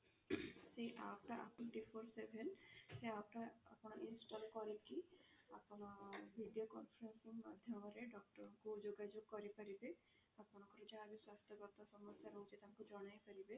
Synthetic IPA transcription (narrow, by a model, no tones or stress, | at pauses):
seʔapʈaʔa̰pniʈipʰoɾsebʱenseapʈaa̰pɽ̃aʔinsʈɔlkɔɾekiapñabʱiɖijokɔnpʰɾensimad̪ʱjɔmɔɾeɖɔk̚ʈɔɾkud͡ʒoɡad͡ʒoɡ̚kɔɾipaɾibe | apɔŋkɔɾed͡ʒabiswast̪ʰjɔkɔɾt̪asɔmɔsjaɾɔud͡ʒet̪amkud͡ʒɔɽ̃ajpaɾibe